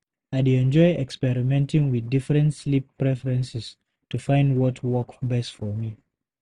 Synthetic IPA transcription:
ajdeɛ̃nd͡ʒɔjɛkspɛɹimɛ̃ntʰĩŋwiθdifɹɛ̃ntslipːɹɛfəɹɛ̃nsɛs | tufãɪ̃ndwɔtʰwɔkbɛstfɔmi

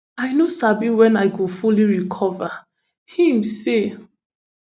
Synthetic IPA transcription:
ajnosabiwɛ̃najkufuliɹikʰɔva | hĩmse

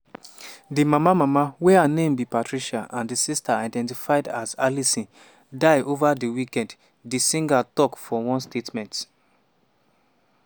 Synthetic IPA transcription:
dimamamamawɛanẽmbipatɹiʃaʔãndisistaaɪdɛ̃ntifaɪdazalisĩ | daɪʔovadiwikɛ̃nd | disĩŋɡatɔkfɔwɔ̃nstetmɛ̃nt

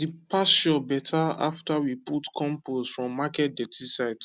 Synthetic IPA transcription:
dipʰasʃɔbɛtʰaa̰ftawiputkʰɔ̃mposfɹɔ̃mːakɛt̚dɛtisaɪt

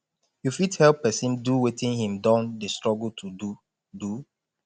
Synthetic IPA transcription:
jufithɛlpːɛsĩnduwetĩnhĩmdãndəstɹɔɡltʰudu | du

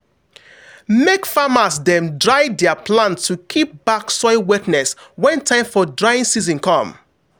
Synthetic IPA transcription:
mekfamasdɛ̃mdɹaɪdɛapʰlãntʰːukʰip̚baksɔɪwɛtnɛswɛ̃ntʰãɪ̃mfɔdɹaɪĩnsizɔ̃nkʰɔ̃m

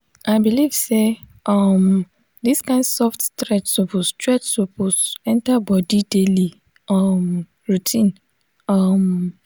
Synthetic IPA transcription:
ʔaɪbiliv̥seʔɔm | diskãɪ̃ndsɔftstɹɛtsɔpustɹɛtsoposɛ̃ntabɔdideli | ʌm | ɹutʰĩn | ɔm

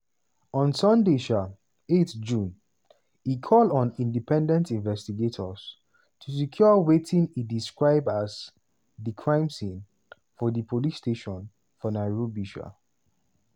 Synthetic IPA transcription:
ɔ̃nsʌ̃ndeʃa | etd͡ʒũn | ikʰɔlɔ̃nĩndipʰɛ̃ndɛ̃ntĩnvɛstiɡetʰɔs | tʰus̬ikʰjɔwetĩnidiskɹaɪbasz | ðikʰɹãɪ̃msĩn | fɔðipʰolisteʃɔ̃n | fɔnaɪɹobiʃa̰

